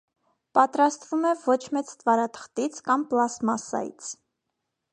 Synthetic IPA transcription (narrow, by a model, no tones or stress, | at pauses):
pɑt̪ɾɑst̪vumɛvɔt͡ʃʰmɛt͡st̪vɑɾɑt̪ʰə̥χt̪it͡sʰkɑmplɑsmɑsɑ̰jḭt͡sʰ